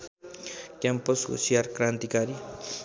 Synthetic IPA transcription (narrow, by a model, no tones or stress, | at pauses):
kemposɡṵsiaɾkɾant̪ikaɾi